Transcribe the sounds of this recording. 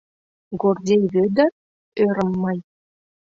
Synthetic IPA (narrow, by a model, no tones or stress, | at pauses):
ɡordʲejβød̪ə̆ | øɾə̆mːɑj